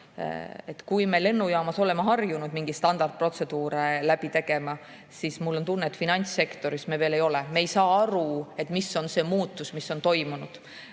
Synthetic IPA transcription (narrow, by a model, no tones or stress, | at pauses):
et̪kujme̞le̞nːujɑːmɑso̞le̞mɑɦɑrjunud̪miŋɡ̥ist̪ɑnd̪̥ɑrt̪̚pro̞t̪se̞d̪̥uːɾelæb̥it̪e̞ɡ̥e̞mɑ | sismulːo̞nt̪unːet̪finɑnʲt̪sːe̞kt̪o̞ɾismeveːle̞jo̞lɛmeejsɑːɑɾue̞t̪ːˑmiso̞nse̞ːmuːt̪ːˑusmisːo̞nt̪o̞jmunud̪̥